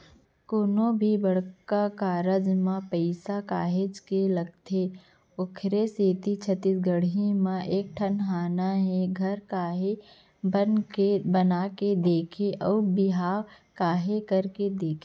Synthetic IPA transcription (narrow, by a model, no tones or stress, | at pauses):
koːnõbʱibɐɽ̤kakaːɾəd͡ʒmãpɛɪsakaːɦed͡ʒkelɐɡ̚t̪ʰe | ʊkʰɾeseːt̪it͡ʃʰət̪ɪsɡəɽ̤imãʔeːk̚ʈʰɐnɦaːnaɦɛɡʱɐɾkaːɦe | ənkebɐnaːked̪eːkʰeʔɔːɾbɪɦaː | kaːɦekɐɾked̪eːkʰe